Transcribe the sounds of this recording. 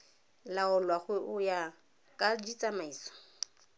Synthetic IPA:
laʊlwaχwɛʔʊja | kʼadit͡sʼamaiːsɔ̥

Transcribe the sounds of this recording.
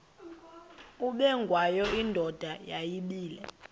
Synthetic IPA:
uɓɛŋɡʱwajɔindʱɔd̥ʱajajiɓiːlɛ̰

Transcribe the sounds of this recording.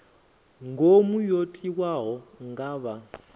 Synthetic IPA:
ŋɡʱomujotʼiwaɦɔŋɡaːβa

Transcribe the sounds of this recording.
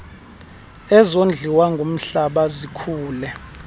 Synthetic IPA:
ɛzond͡ɮʱiwaŋɡʱom̩ɬaɓazikʰuːlɛ

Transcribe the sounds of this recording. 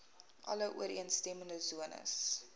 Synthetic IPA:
ʔɐ̰ləʔṵəɾiənstɛməndəzuənə̰s

